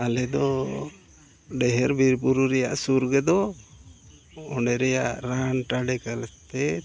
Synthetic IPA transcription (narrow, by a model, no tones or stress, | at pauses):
alɛd̪ɔ | ɖɛɦɛɾbiɾpuɾuɾɛja̰ʔsuɾɡɛd̪ɔ | ɔɳɖɛɾɛjaʔɾanʈaɖɛkalɛt̪ɛ